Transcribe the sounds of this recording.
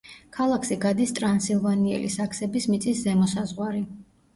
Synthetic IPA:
kʰalˠakʰʃiɡad̪ist̪ʼɾansilˠvaniɛ̰lḭsakʰsɛbismit̪sʼiszɛmɔsazʁwaɾi

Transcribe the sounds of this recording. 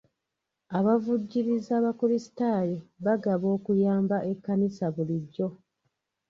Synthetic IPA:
aβavuɟːiɾizaːβakuɾisi̥taːjeβaɡaβo̞ːkujaːmbaʔe̞kːanisaβuliɟːo̞

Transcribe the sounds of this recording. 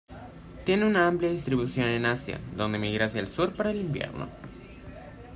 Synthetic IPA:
t̪je̞neunaampljaðist̪ɾiβusjo̞ne̞nasja̰d̪o̞nd̪e̞miɣɾasjalsuɾpaɾaelimbje̞̰ɾno̞̰

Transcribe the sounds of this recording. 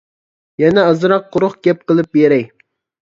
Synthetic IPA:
jɛnɛɑzɾɑqʰːʊɾʊχɡʲɛp̚qəlˠɨp̚beɾɛj

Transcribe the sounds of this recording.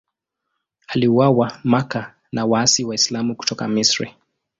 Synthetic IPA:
aliuwawamaka | nawaasiwaislamuku̥tɔka̰misɾḭ

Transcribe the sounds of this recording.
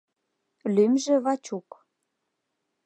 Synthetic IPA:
lymʒĕβɑt͡ɕuk

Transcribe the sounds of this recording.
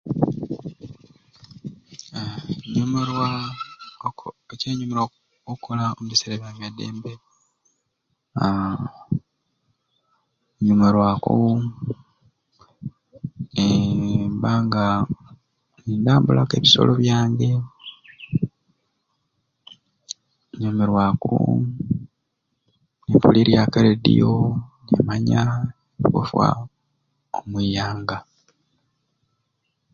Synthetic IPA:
ɲumeɾwa | eceːɲumeɾo | okʰolaomuβiseɾeβjaβjadːe̞̰ːmbe | a | ɲumeɾwako̰ | embaːŋɡa | nindaːmbulʔake̞ːβiso̞̰loβjaːɲɡe̞ | ɲomeɾwako̰ | nepuliɾjakaledḭjonḛmaɲa | ikṵfwa̰ | omwijaːŋɡa

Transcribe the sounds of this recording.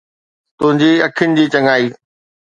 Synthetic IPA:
t̪ʊ̃ɦɪ̃ɲd͡ʑiːɐkʰɪjʊnɪ̆d͡ʑiːt͡ɕɐ̃ŋaːiː

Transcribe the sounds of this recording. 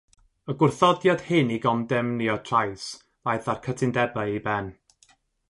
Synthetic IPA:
əɡʊrθɔdjad̥hɪniɡɔmdɛmniɔtʰrajs | vajθarkʰətʰɪndɛbaibɛn

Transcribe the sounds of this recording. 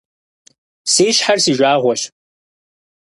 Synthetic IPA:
seːʃħarsiʒʷaːʁʷɔʃ

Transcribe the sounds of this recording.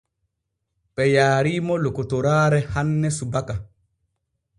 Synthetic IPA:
pɛjaːɾimɔlokɔtɔɾaːɾɛhanːɛsubaka

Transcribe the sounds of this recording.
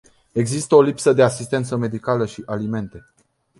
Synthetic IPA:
e̞ɡzist̪əo̞lipsəd̪e̞asist̪e̞nt̪səme̞d̪ikaləʃiʔalime̞nt̪e̞

